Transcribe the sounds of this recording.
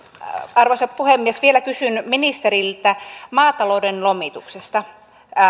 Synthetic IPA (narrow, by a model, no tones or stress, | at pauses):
ɑrʋoisɑppuhemːiesʋielækysynminist̪eɾilt̪æmɑːt̪ɑloudenlomit̪uksest̪ɑ